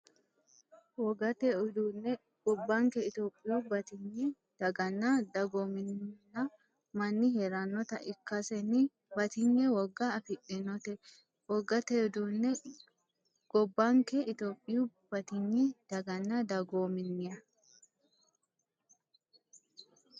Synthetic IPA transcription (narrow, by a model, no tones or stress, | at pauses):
wɔɡɐt̪eʊd̪uːnːɛ | ɡ̥ɔbːɐŋkɛɪt̪oːpʼːɪjubɐt̪ɪɲːɛ | d̪̥ɐɡɐnːɐd̪ɐɡoːmɪnnɐ | mɐnːɪheɾɐnːɔt̪ɐʔɪkːɐsɛnɪ | bɐt̪ɪɲːɛwɔɡːɐːfɪɗɪnɔt̪ɛ | wɔɡːɐt̪eʊd̪unːɛ | ɡ̥ɔbːaŋkɛɪt̪oːpʼːɪjub̥ɐt̪ɪɲːɛd̪̥ɐɡɐnːɐd̪ɐɡoːmɪnːɪjɐ